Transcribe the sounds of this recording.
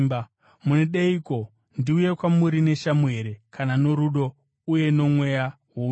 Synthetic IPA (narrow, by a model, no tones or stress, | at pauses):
b | muneɗeiko̞ | ndiuje̞kwamuɾine̞ʃamue̞ɾe̞kanano̞ɾuɗo̞ | uje̞no̞mwe̞ja | wo